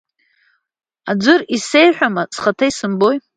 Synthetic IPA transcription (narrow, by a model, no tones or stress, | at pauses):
ad͡zʷɨrise̞jħʷᶣamaz̥χatʰaisɨmbo̞j